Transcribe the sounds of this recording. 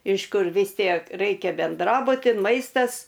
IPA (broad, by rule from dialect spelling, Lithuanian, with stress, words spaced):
ɪʃ ˈkʊr ʋʲɪs ˈtʲiɛk ˈrɐɪkʲɛ bʲɛnˈdrɑːbʊtʲɪ ˈmɐɪstɐs